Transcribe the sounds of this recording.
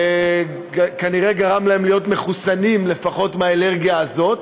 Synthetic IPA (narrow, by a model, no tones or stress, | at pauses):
kaniʁe̞ɡaʁamlahemlijo̞tme̞χusanimle̞faχo̞tmeaele̞ʁɡijaːzo̞t